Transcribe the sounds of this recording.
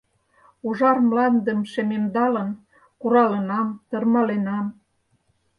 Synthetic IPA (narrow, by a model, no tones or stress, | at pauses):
uʒɑrmlɑnd̪ə̆mʃememd̪ɑlə̆n | kuɾɑlə̆nɑmt̪ɤrmɑlenɑm